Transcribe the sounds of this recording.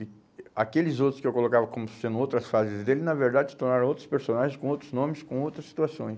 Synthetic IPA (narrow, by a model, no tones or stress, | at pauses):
ɪ | a̰kelɪzowt̪ɾʊ̥skɪewkolokavɐkõmʊsẽnd̪ʊ̃owt̪ɾɐsfazɪzd̪elɪnɐveɾd̪ad͡ʒɪst̪oɾnaɾɐ̃owt̪ɾʊspeɾsõnaʒẽskõowt̪ɾʊznõmɪskõowt̪ɾɐsːi̥t̪uasõj̃s